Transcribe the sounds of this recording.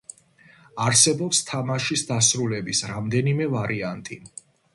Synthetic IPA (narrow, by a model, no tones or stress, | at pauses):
aɾsɛbɔpst̪ʰamaʃisd̪asɾulɛbisɾamd̪ɛnimɛvaɾiant̪ʼḭ